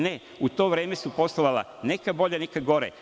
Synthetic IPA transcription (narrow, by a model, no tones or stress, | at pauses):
ne | ut̪o̞ːʋɾe̞ːme̞supo̞st̪oʋala̰ | nekabo̞ʎanekaɡo̞ɾḛ